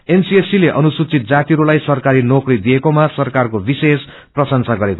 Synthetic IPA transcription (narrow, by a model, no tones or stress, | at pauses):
ensiesileʔʌnusut͡sit̪̚d͡zat̪iɾulajsʌrkaɾinokrid̪ijekomasʌrkarkobises | prʌsʌnsaɡʌɾeko